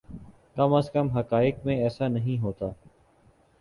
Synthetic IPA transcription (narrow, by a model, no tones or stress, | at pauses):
kəməskəmɦəkaːɪkmẽɛːsaːnəɦĩːɦoːt̪aː